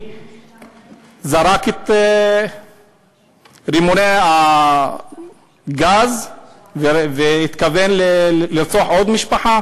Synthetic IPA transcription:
zaɾaket̪ | ɾimonea | ɡaz | veveit̪kavenleliɾt͡suaħo̞d̪miʃpaħa

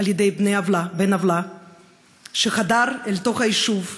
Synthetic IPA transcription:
aljed̪e̞jbnejavlabenavla | ʃeχad̪aɾelt̪o̞χaiʃuv

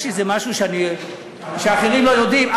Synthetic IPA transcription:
ʃizemaʃuʃeani | ʃeaχeʁimlo̞jo̞d̪imʔa

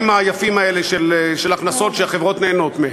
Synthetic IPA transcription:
maːjafimaeleʃelʃelaχnaso̞tʃeaχevʁo̞t̪neːno̞t̪me

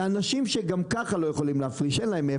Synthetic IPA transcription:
anaʃimʃeɡamkaχalo̞je̞χo̞limleafʁiʃenlaeme

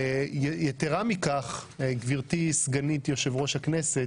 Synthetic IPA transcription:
jejet̪eʁamikaχɡviʁt̪isɡanit̪jo̞ʃevʁo̞ʃhaknese

